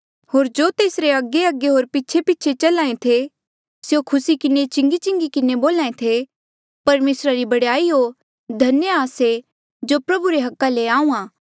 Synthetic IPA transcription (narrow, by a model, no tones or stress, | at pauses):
hoːɾd͡ʒoːt̪eːsɾeɐɡeɐɡeɦoːɾpitːt͡ʃʰepiːt͡ʃʰet͡ʃɐlãːẽt̪ʰe | sjokʰʊsikɪnet͡ʃɪ̃ŋɡit͡ʃɪ̃ŋɡikɪneboːlaːẽt̪ʰe | pɐɾmeːsɾaɾibɐɽjaːiɦo | d̪ʱɐnjaːse | d͡ʒoːpɾɐbuɾeɦɐkːaleaːũːãː